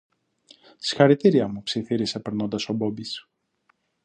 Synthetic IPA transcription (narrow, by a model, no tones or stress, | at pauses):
si̥xɐɾit̪iɾiɐmupsiθiɾise̞pe̞ɾno̞nd̪ɐso̞bo̞bis